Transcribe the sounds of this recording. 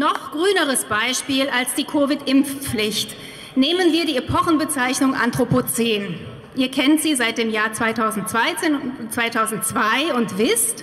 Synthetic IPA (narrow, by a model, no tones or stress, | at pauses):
nɔχɡ̥ʁyːnəʁ̞əsb̥aɪʃpiːlalsd̥iːkʰoːvɪtʔɪmfp͡flɪçt | neːmənviːɐdiːepʰɔχn̩bət͡saɪçnʊŋʔa̰ntʁ̥opot͡seːn | ʔiːɐkʰɛntz̥iːzaɪt̚d̥eːmjaːɐt͡sv̥aɪtʰaʊzn̩tt͡sv̥aɪt͡seːnt͡sv̥aɪtʰaʊzn̩tt͡sv̥aɪʊntv̥ɪst